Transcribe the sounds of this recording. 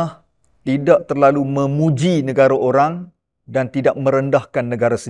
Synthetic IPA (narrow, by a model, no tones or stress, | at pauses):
h | t̪idaʔt̪ərlalumə̃mũd͡ʒinə̃ɡaɾaʔoɾaŋ | dant̪idaʔ̚mə̃ɾəndahkanːə̃ɡaɾasə